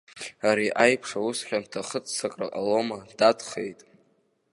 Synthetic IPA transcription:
aɾiʔajpʰʂausχʲᶣamtʰaχət͡sʰːakʼra̰qʼa̰lo̞mad̥adʰχe̞̰jtʼ

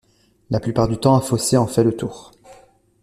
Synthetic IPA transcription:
lʔaplypaʁd̪yt̪ɑ̃afoseɑ̃fɛlət̪uːʁ

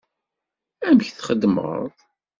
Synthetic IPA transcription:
æmçθχəd̪ːm̰ʁə̰ðˤ

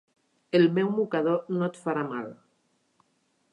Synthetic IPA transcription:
elmewmukað̞onot̪faɾamal

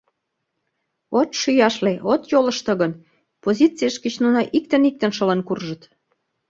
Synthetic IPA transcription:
ot̪ʃyjɑʃleʔot̪jolə̆ʃt̪ə̆ɣən | pozʲit͡sijəʃkət͡ɕnunɑʔik̚t̪ənik̚t̪ə̆nʃəlenkurʒə̆t̪

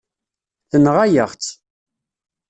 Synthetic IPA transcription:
θənʁajəʁt͡s

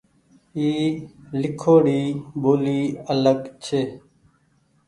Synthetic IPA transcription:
iːlɪkʰoːɽiːboːliːələɡt͡ʃʰeː

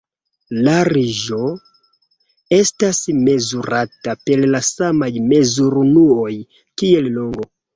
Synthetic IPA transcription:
laɾiʒo̞ | e̞stasme̞zuɾatape̞llasamajme̞zuɾunuo̞j | kie̞llo̞ŋɡo̞

